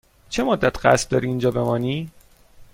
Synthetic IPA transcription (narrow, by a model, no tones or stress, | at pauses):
t͡ʃʰemod̪ːæt̪ʰɢæ̰sb̚d̪ɒːɾiːnd͡ʒɒːbe̞mɒːniː